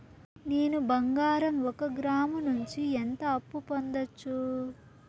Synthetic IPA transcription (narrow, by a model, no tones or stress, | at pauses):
neːnubɐŋɡaːɾɐmɔkɐɡɾaːmɐnuɲt͡ʃient̪ɐːpːupond̪ɐt͡ʃːu